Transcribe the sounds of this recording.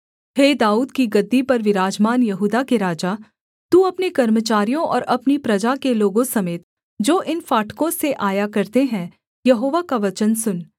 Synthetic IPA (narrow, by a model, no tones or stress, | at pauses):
ɦeːd̪aːuːd̪kiɡɐd̪ːipɐɾʋɪɾaːd͡ʒmaːnjɐɦuːd̪akeɾaːd͡ʒaː | t̪uɐpnekɐɾmət͡ʃaːɾijõʔɔ̰ːɾɐpnipɾɐd͡ʒakeloːɡõsɐmeːt̪ | d͡ʒoːʔɪnfaːʈkõseʔaːjakɐɾt̪eɦɛ̃ | jɐɦoːʋakaʋɐt͡ʃənsʊn